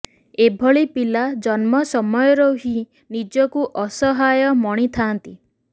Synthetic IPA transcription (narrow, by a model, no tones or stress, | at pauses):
ebʱɔɭipilad͡ʒɔnmɔsɔmɔjɔɾɔɦi | nid͡ʒɔkuʔɔsɔɦajɔmɔɽ̃it̪ʰant̪i